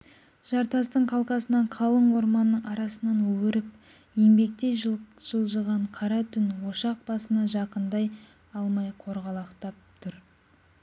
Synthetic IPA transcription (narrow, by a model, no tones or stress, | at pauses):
ʒ̥ɑɾt̪ɑst̪əɴqʰɑlˠqɑsənɑɴqʰɑlˠəɴwo̞ɾmɑnːəɴɑɾɑsənɑnwɵwɪɾɪp | je̞mbe̞k̚t̪e̞jʒʒ̥əlˠʒəʁɑɴqʰɑɾɑt̪ʰʏnwo̞ʃɑq̚b̥ɑsənɑʒɑqənd̪ɑj | ɑlˠmɑjqʰo̞ɾʁɑlˠɑqt̪ɑp̚t̪ʰʊɾ